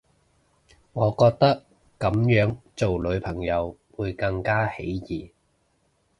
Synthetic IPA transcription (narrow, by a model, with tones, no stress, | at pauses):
ŋɔː˨˧kɔː˧k̚t̪ɐ˥k̚ː | ɐ˨˥mjœː˨˥ŋt͡so˨wlɵ˨˧ɥpʰɐ˨˩ŋjɐ˨˧wwuː˨˧jkɐ˧ŋkaː˥hḛ˨˥jjiː˨˩